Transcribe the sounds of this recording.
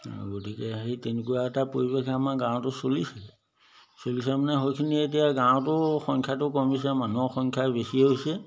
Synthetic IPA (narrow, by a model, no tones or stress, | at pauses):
ɡotikɛɦejtenekuwaɛtapoɹibekʰamaɡãw̃tʊsolisɛ | solisɛmanɛɦojkʰinietijaɡãw̃tʊxɔŋkʰjatʊkɔmis̬ɛmanɔxɔŋkʰjabesiɦojsɛ